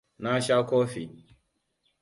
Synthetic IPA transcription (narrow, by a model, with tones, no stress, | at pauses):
na˦ʃa˦kɔ˦fi˨